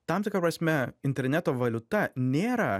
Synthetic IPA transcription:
t̪ɐmt̪ʲɪkɾɐpɾɐsʲmʲɛɪnʲt̪ʲɛɾʲnʲɛt̪oːʋɐlʲʊt̪ɐnʲeːɾɐ

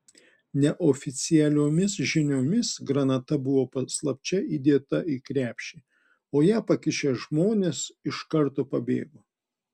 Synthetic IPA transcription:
nʲɛʔofʲɪt̪sʲɪjɛlʲoːmʲɪsʒʲɪnʲoːmʲɪsɡɾɐnɐt̪ɐbʊʋoːpɐslˠɐpʲt͡ʃʲɛiːd̪ʲeːt̪ɐiːkɾʲæːpʲʃʲiː | oːjæːpɐkʲɪʃʲeʒmoːnʲeːsɪʃkɐɾt̪oːpɐbʲḛːɡoː

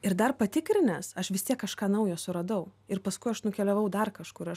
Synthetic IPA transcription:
ɪɾd̪ɐrpɐt̪ʲɪkɾʲɪnʲɛsɐʃʋʲɪst̪ʲiɛkːɐʃkɑːnɐʊjoːsʊɾɐd̪ɐʊɪrpɐskʊɪɐʃnʊkʲɛlʲɛʋɐʊd̪ɐrkɐʃkʊɾɐʃ

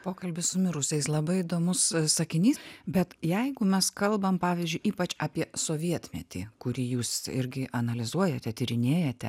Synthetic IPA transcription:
poːkɐlʲbʲɪsʊmʲɪɾʊsʲɛɪslˠɐbɐɪɪd̪oːmʊssɐkʲɪnʲiːsbʲɛt̪jɛɪɡʊmʲɛskɐlˠbɐmpɑːʋʲiːzʲd͡ʒʲʊɪʔiːpɐt͡ʃɑːpʲiɛsoːʋʲiɛt̪ʲmʲɛ̰t̪ʲḭːkʊɾʲiːjuːsɪɾʲɡʲɪʔɐnɐlʲɪzuɔjɛt̪ʲɛt̪ʲiɾʲɪnʲeːjɛt̪ʲɛ̰

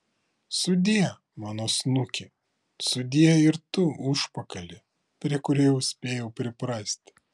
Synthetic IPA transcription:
sʊd̪ʲiːɛ | mɑːnoːsnʊkʲɪ | sʊd̪ʲiːjɛɪɾt̪ʊʊʃpɐkɐlʲɪ | pʲɾʲiɛkʊɾʲɛːjɛʊsʲpʲeːjɛʊpʲɾʲɪpɾɑːsʲt̪ʲ

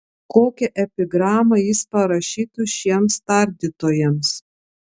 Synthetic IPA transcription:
koːkʲɛʔɛpʲɪɡɾɑːmɐjɪspɐɾɐʃʲiːt̪ʊʃʲiɛmst̪ɐˑɾʲd̪ʲɪt̪oːjɛms

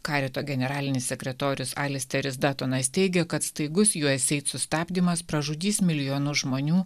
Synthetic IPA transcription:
kɑːɾʲɛt̪oːɡʲɛnʲɛɾɑːlʲɪnʲɪsːʲɛkʲɾʲɛt̪oːɾʲʊsɑːlʲɪsʲt̪ʲɛɾʲɪsd̪ɑːt̪onɐst̪ʲɛɪɡʲɛkɐt̪st̪ɐɪɡʊsjuɔsʲɛɪt̪sʊsʲt̪ɑːbʲd̪ʲimɐspɾɐʒʊd̪ʲiːsmʲɪlʲɪjoːnʊʒmoːnʲuː

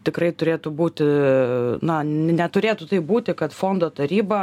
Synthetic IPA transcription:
t̪ʲɪkrɐɪt̪ʊɾʲeːt̪ʊbuːt̪ʲɪ | nɐnʲɛt̪ʊɾʲeːt̪ʊt̪ɐɪp̚buːt̪ʲɪkɐt̪foːnd̪oːt̪ɐɾʲiːbɐ

